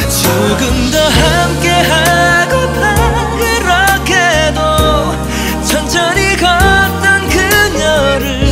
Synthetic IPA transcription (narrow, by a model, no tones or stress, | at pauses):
t͡ɕoɡɯmdʌhamkeɦaɡoa | iɾʌkʰedo | t͡ɕʰʌnt͡ɕʰʌɾikʌttʌnkɯɲʌɾɯɭ